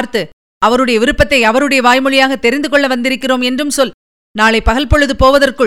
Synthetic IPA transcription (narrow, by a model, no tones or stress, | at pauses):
ɾt̪ɯ | ɐʋɐɾɯɽɐjɐʋɪɾɯpːɐt̪ːɐɪɐʋɐɾɯɽɐjɐʋaːjmɯɻɪjaːɣɐt̪ːɛɾɪnd̪ɯkɔɭːɐʋɐnd̪ɪɾɯkːɪroːmɛndrɯmsɔl | naːɭɐɪpɐɣɐɭpɔɻɯðɯpoːʋɐðɐrkɯ